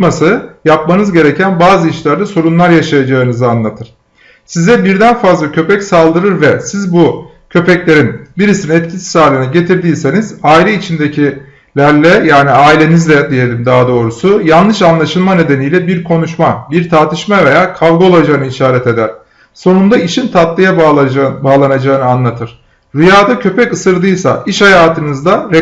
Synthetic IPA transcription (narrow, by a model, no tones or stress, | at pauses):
masɯjapmanɯzɟe̞ɾecʰænbaːzɯiʃlʲæɾd̪ɛso̞ɾunlˠaɾjaʃajad͡ʒaɯnɯzɯanlˠat̪ʰɯɾ̥ | sizɛbiɾd̪ænfazlˠacʰø̞pɛcsalˠd̪ɯɾɯɾvɛsizbu | cʰø̞pɛclʲe̞ɾinbiɾisininɛt̪cʰisi̥saːlʲinɛɟe̞t̪ʰiɾd̪iːse̞nizaːilʲɛit͡ʃʰind̪e̞cʰi | lʲæɾlʲɛjaːniaːilʲe̞nizlʲɛd̪ije̞lʲimd̪aːd̪o̞ːɾusujanlːˠɯʃanlˠaʃɯlˠmane̞d̪e̞nijlʲɛbiɾkʰo̞nuʃmabiɾt̪ʰaɾt̪ʰɯʃmave̞jaːkʰavˠɡo̞lˠad͡ʒaːɯnɯiʃaːɾɛt̪e̞d̪æɾ̥ | so̞nund̪aiʃint̪ʰat̪lˠɯjabaːlˠanad͡ʒaɯnɯanlˠat̪ʰɯɾ̥ | ɾujaːd̪acʰø̞pɛcɯsɯɾd̪ɯjsa̰ʔiʃhajaːt̪ʰɯnɯzd̪aɾɛ